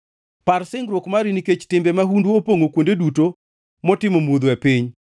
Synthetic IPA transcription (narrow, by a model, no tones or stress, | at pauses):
paɾsɪŋɡɾwokmaɾiniket͡ʃtɪmbɛmaɦundwuopoŋokwondeduto | mɔtɪmomud̪ɛpiɲ